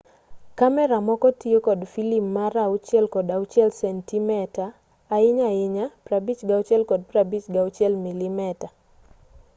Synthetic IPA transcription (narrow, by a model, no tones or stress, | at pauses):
kamɛɾamɔkɔtiokɔdfilipmaɾaut͡ʃjɛlkɔdaʊt͡ʃɪɛlsɛntimɛtaː | ɪɲaɪɲapɾabit͡ʃɡaʊt͡ʃɛlkɔd̚pɾabit͡ʃɡaut͡ʃɛlmilimɛta